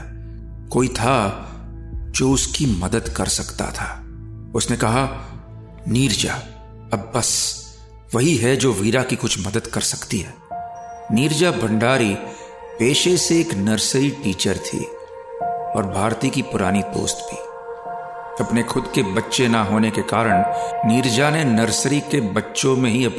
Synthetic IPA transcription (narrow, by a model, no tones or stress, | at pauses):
koːit̪ʰa | d͡ʒoːʊskimɐd̪əd̪kɐ̰ɾsɐkt̪a̰t̪ʰaː | ʊsnekɐɦa | niːɾd͡ʒa̰ː | ɐbːɐs | ʋɐɦiɦɛd͡ʒoːʋiːɾakikʊt͡ʃʰmɐd̪əd̪kɐɾsɐ̥kt̪iɦɛː | niːɾd͡ʒabʱɐ̃ɳɖaːɾi | peːʃeseːknɐɾsɾiʈiːt͡ʃəɾt̪ʰḭː | ɔ̰ːɾbʱaːɾt̪ikipʊɾaːnid̪o̰ːst̪bʱḭː | ɐpnexʊd̪kebɐtːʃenaɦoːnekekaːɾəɽ̃niːɾd͡ʒanenɐɾsɾikebɐtːʃõmẽɦiɐp